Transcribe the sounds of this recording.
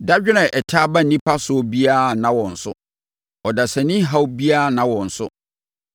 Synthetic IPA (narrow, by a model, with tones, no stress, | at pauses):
da˦d͡ʑᶣɪ˦nɛ̃˨ʔɛ˨tʰaː˦ba˦n̩˨nĩ˦pʰa˦sʊ˨˦ɔ˦bi˦a˦˨nã˨wɔ̃˨n̩˨sʊ̰˦ | ɔ˨da˨sa˨nĩ˦ɦa˦wbi˦a˦˨nã˨wɔ̃˨n̩˨sʊ̰˦